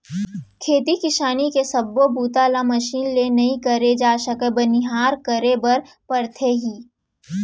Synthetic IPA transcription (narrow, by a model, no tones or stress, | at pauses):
kʰeːt̪ikɪʃaːnikesɐbːobuːt̪aːlamɐʃiːnlenɐɦĩkɐɾed͡ʒaːʃɐkəbɐnɪɦaːɾkəɾebɐɾ | pɐɾt̪ʰeɦiː